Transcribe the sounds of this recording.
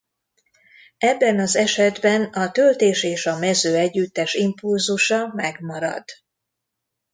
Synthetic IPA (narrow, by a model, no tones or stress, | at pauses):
ɛbːɛnɒzɛʃɛd̪bɛnɒt̪ølt̪eːʃeːʃɒmɛzøːɛɟːyt̪ːɛʃimpulzuʃɒmɛɡmɒɾɒ̰d̪̥